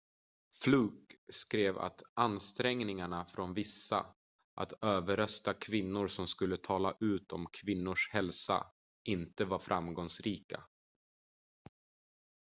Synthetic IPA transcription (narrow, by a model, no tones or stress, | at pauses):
flʉːkskɾeːva̰t̪anst̪ɾɛŋnɪŋaɳafɾɔnvɪsːa̰ | ʔa̰t̪øːvəɾœst̪akʰvɪnːʊɾsɔmskɵlːət̪ʰɑːlaʔʉ̟ːt̪ʰɔmkʰvɪnːʊʂhɛlsa̰ | ʔɪnt̪əvaɾfɾʔamɡɔŋsɾiːka̰